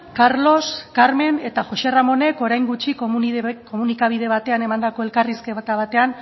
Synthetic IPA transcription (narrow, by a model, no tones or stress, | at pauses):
kaɾlo̞skaɾme̞ne̞t̪aʝo̞se̞ramo̞ne̞ko̞ɾajŋɡut͡ʃikko̞munikaβ̞ið̞e̞βat̪e̞ane̞mand̪ako̞e̞lkariske̞βt̪aβat̪e̞an